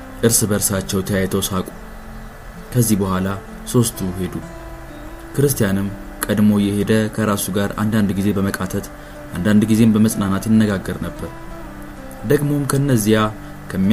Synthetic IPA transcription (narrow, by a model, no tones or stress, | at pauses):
ʔɨɾsɨbəɾsat͡ʃːɛwt̪ʰəjajɛt̪ʰəwsakʼu̥ | kʰəzːihbəhʷala | so̞st̪ʰuhe̞d̪u | kʰɨɾɨst̪ʰijanɨm | kʼəd̪mo̞jɛhe̞d̪əkʰəɾasuɡaɾa̰nd̪and̪ɡize̞bəməkʼat̪ʰət̪ | ʔand̪and̪ɡize̞mbəməsʼnanat̪jɪnːəɡaɡːəɾnəbːəɾ | d̪əɡmo̞mkʰəɨnːəzːija | kʰəmːi